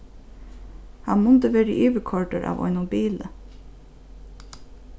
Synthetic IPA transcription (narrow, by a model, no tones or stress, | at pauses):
hɑnmʊnd̪əʋeːɾə̰ʔyːʋəkʰɔɹɖəɾʔɑ̰ːʋɔ̰ʏnʊbiːlə